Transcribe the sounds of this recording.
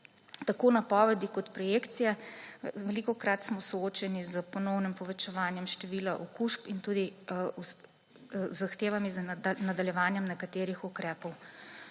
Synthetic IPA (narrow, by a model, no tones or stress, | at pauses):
t̪akoːnapɔːʋɛd̪ikɔt̪pɾɔjeːkt̪sijɛʋɛlikɔkɾat̪smɔsɔoːt͡ʃɛnizəpɔnɔwnimpɔʋɛt͡ʃɛʋaːnjɛmʃt̪ɛʋiːlaʔɔkuʃpint̪ud̪ius | zaxt̪eːʋamiznad̪aljɛʋaːnjɛmnɛkat̪eːɾixukɾɛːpɔw